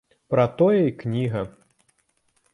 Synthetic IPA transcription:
pɾɐt̪ɔjɐiknʲiɣɐ

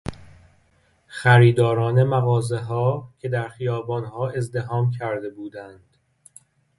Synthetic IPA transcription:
xæɾiːd̪ɒːɾɒːne̞mæɣɒːze̞ɦɒːcʰe̞d̪æɾxijɒːbɒːnhɒːe̞zd̪e̞ɦɒːmcʰæɾd̪e̞buːd̪ænd̪̥

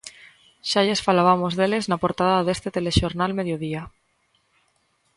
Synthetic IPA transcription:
ʃaʎesfalaβamozðeleznapoɾt̪aðaðest̪et̪eleʃoɾnalmeðjoð̞ia

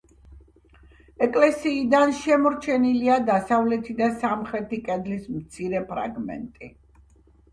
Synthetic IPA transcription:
ɛkʼlɛsiːd̪anʃɛmɔɾt͡ʃʰɛniliad̪asavlɛt̪ʰid̪asamχɾɛt̪ʰikʼɛd̪lismt̪sʰiɾɛpʰɾa̰ɡmɛ̰nt̪ʼi

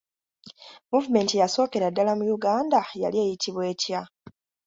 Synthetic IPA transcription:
muvume̞ːntijaso̞ːke̞ɾadːalamujuɡaːndaja̰lieːjitʰiβwe̞ːtja

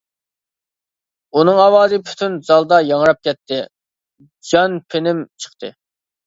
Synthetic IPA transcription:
unɨŋɑwɑːzɨpʰy̥t̪ʰynz̥ɑlˠd̪ɑjɑŋɾɑp̚kʲɛt̪ʰːɪ | d͡ʒɑnpʰenɪmt͡ʃʰə̥χt̪ʰɨ̰

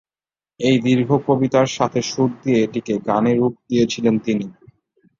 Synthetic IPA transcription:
ejd̪iɾɡʱokobit̪aɾʃat̪ʰeʃuɾ̚d̪ijeeʈikeɡaneɾuk̚d̪ijet͡ɕʰilent̪ini

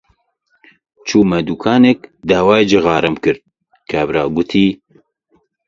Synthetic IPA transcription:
t͡ʃʰuːmɐd̪ukʰaːnekd̪aːwaːjed͡ʒɨɣɑːɾɐmkɨɾd̪̚ | kʰæbɾaːɡʊt̪ʰiː

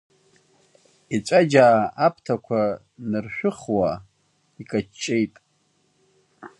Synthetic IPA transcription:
it͡ʃʷʼad͡ʒaːapʰtʰakʷʰa | nɨrʃᶣʊχwa | ikʼat͡ʃt͡ʃːʼejtʼ

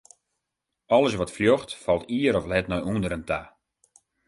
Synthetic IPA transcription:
ɔlˠəsʋɔtfljɔxtfɔlˠtiəɾɔflɛtnɔjundəɾəntʰa

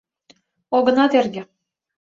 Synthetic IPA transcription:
oɡɤ̆nɑt̪erɡʲɘ̆

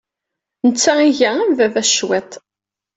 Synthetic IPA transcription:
nət͡sːæiʝææmvævæʃwɛt̪ˤ

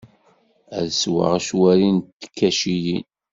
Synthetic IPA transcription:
æ̰ðswə̰ʁʃwæɾint̪ːə̥kːæʃijin

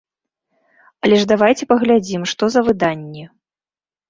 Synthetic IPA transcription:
ɐlʲɛʐd̪avajt͡sʲɛpɐɣlʲad͡zʲimʂt̪ɔzɐvɨd̪anʲːɛ

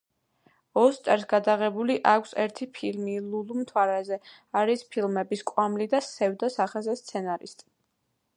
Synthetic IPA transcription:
ɔst̪ʼɛɾsɡad̪aʁɛbuliʔakʷʰsɛɾt̪ʰipʰilmilulumt̪ʰwaɾɛzɛ | aɾispʰilˠmɛbiskʼwamlid̪asɛvd̪asaχɛzɛst̪sʰɛnaɾist̪ʼi

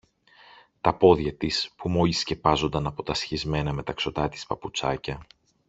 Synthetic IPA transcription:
t̪ɐpo̞ðʝɐt̪ispumo̞jisce̞pɐzo̞nd̪ɐnɐpo̞t̪ɐsçizme̞nɐme̞t̪ɐkso̞t̪ɐt̪i̥spɐput͡sɐ̰cɐ

